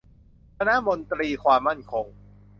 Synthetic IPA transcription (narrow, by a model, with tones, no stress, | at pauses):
kʰa˧na˦˥mo˧nt̪ɾiː˧kʰwaː˧mːa˥˩nkʰo˧ŋ